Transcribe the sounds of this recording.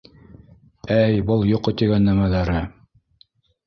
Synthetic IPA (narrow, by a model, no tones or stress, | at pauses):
æjbɤlˠjoqːot̪iɡænːæmæðæɾɘ